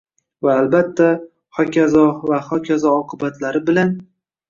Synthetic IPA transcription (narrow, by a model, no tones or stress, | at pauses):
vaːlbat̪ʰːa | hɒkʲʰazɒvahɒkʲʰazɒɒqʰɨbat̪laɾɪbɪlan